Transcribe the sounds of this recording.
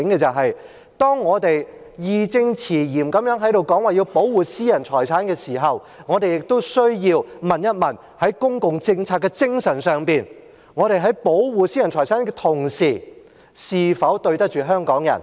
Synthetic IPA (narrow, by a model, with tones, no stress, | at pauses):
ŋkɛ˧t͡sɐ˨wɦɐ˨j | t̪ɔː˥ŋːɔː˨˧t̪e˨j | jiː˨˧t͡sɪ˧ŋt͡sʰiː˨˩jiː˨˩mkɐ˨˥mjœː˨˥ŋɦɐ˨˥jɾo˨wkɔː˨˥ŋwaː˨˩ji˧wpo˨˥wwuː˨˩siː˥jɐ˨˩nt͡ʃʰɔː˨˩jt͡sʰaː˨˥nkɛː˧siː˨˩ɦɐ˨w | ŋɔː˨˧t̪e˨jɪ˨k̚t̪o˥wsɵ˥ɥjiː˧wmɐ˨njɐ˥t̚mɐ˨˩n | hɐ˨˥jkʊ˥ŋkʊ˨ŋt͡sɪ˧ŋt͡sʰaː˧t̚kːɛː˧t͡sɪ˥ŋsɐ˨˩nsœː˨ŋpiː˨n | ŋɔː˨˧ɾe˨jɦɐ˨˥jpo˨˥wwuː˨˩siː˥jɐ˨˩nt͡ʃʰɔː˨˩t͡sʰaː˨˥nkɛ˧t̪ʰʊ˨˩ŋsiː˨˩ | siː˨˧fɐ˨˥wt̪ɵ˧ɥt̪ɐ˥k̚t͡ʃyː˨˩ɦœː˥ŋkɔː˨˥ŋjɐ̰˨˩n